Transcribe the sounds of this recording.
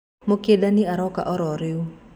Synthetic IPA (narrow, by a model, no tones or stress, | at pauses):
mokiedaniaɾɔka̰ʔɔɾɔɾiu